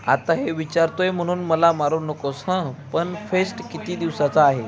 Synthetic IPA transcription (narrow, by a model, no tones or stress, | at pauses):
a̰t̪aɦeʋit͡ɕaɾt̪ojem̤əɽ̃uːnməlamaɾuːnəkosə̃pəɳfesʈkit̪iːd̪iʋsat͡saːɦe